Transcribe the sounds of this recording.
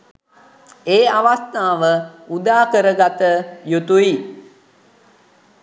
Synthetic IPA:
eːaʋast̪aːʋəud̪aːkəɾəɡat̪əjut̪ui

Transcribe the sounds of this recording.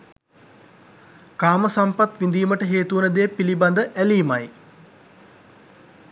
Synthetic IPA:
kaːməsampat̪ʋind̪iːməʈəɦeːt̪uunəd̪eːpiliband̪əʔæliːmaj

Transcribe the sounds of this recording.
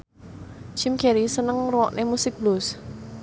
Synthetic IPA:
t͡ʃimkɛɾisənəŋruwɔʔnʔemusɪk̚blus

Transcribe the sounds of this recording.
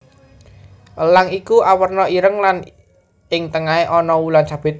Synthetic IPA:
ʔəlaŋikuʔawərnɔiɾəŋlan | ɪŋt̪əŋaeʔɔnɔwulant͡ʃab̥ɪ̤t̪̚

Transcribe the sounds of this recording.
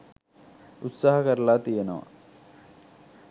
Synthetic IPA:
ut̪saɦɐkɐɾɐlaːt̪ijɐnɐʋɐ̰

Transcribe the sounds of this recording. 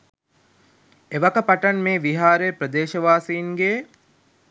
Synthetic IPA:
eʋakəpaʈɐnmeːʋiɦaːɾeːpɾəd̪eːʃəʋaːsiinɡeː

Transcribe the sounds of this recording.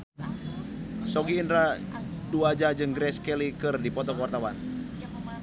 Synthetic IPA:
sɔɡiːndɾa | duad͡ʒad͡ʒɨŋɡɾɛskɛlikɨrdipɔt̪ɔkwart̪awan

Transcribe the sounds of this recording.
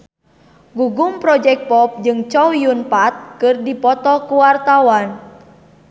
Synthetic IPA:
ɡuɡumpɾɔd͡ʒɛk̚t̪̚pɔp̚d͡ʒɨŋt͡ʃɔwjunpat̪̚kɨrdipɔt̪ɔkuwart̪awan

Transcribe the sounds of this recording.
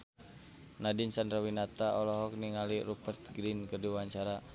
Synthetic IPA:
nadinsandɾawinat̪aʔɔlɔɦɔk̚niŋaliɾupərt̪̚ɡɾinkərdiwaɲt͡ʃaɾa

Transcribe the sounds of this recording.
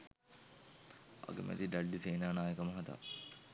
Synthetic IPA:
ɐ̰ɡə̰mʔɛ̰t̪id̪aɖːiseːnaːnaːjəkɐmɐɦɐd̪a̰ː

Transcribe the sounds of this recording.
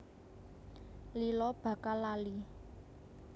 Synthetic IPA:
lilɔb̥a̤kalali

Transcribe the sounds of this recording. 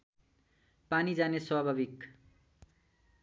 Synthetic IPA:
panid͡zaneswabʱabik

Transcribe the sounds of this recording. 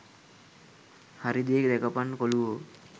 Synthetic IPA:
haɾid̪ejekd̪ɛkəpanːkoluʋo

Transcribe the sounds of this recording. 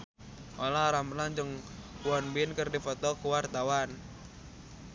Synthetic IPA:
ʔolaɾaməlaɲd͡ʒəŋwɔnbɪnkɨrdifɔt̪ɔkuwart̪awan

